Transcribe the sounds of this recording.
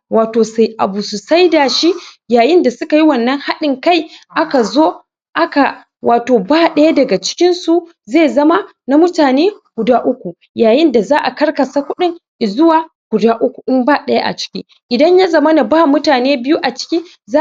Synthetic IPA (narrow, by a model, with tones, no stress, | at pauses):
waː˨toː˨sa˨jʔa˨bu˨su˨sa˦jdaː˨ʃi˦jaː˨jɪ˦nda˨sʊ˦ka˨ji˦wɐ˨nːɐ˦ŋha˦ɗɪ˨ŋka˦jʔa˦ka˨zoː˦ | ʔa˦ka˨ | wʔaː˨toː˨baː˦˨ɗɐ˦ja˦dɐ˨ɡa˨t͡ʃɪ̥˦kʲɪ˦nsu˨ | zeː˦˨zɐ˦ma˦ | na˦mʊ˦taː˨neː˦ɡ̥ʷʊ˨daː˦ʔʊ˦kʷu˨ | jaː˨jɪ˦nda˨zaː˦ʔa˨kɐ˦rkɐ˨saː˦kʷʊ˦ɗɪ˦ŋʔɪ˨zʊ˦waː˨ | ɡ̥ʷʊ˨daː˦ʔʊ˦kʷu˨ʔɪ˦mbaː˦ɗɐ˦ja˦ʔa̰˨t͡ʃɪ̥˦kʲi˦ | ʔɪ˨dɐ˦ɲja˦zɐ˨mɐ˦na˨baː˦mʊ˦taː˨neː˦bɪ˦ju˦ʔa˨t͡ʃɪ̥˦kʲiː˦ | zaː˦